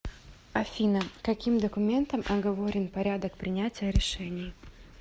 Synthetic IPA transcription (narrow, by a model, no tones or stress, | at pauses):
ɐfʲinəkɐkʲimd̪əkʊmʲe̞nt̪əmʔɐɡɐvoɾʲɪnpɐɾʲad̪ək̚pɾʲɪnʲætʲɪjəɾʲɪʂɛnʲɪj